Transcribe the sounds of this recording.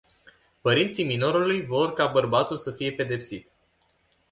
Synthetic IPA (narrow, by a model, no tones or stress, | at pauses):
pəɾint̪simino̞ɾulujvo̞rkabərbat̪ulsəfije̞pe̞d̪e̞psit̪